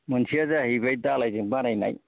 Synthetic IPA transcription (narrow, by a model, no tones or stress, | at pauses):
mɯnsʰiazaɦibaj̚dalajzɯŋbaɾajna̰j